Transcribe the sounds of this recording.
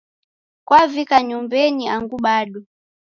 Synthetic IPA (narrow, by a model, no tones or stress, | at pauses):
kwavikaɲumbɛniaŋɡuɓaɗɔ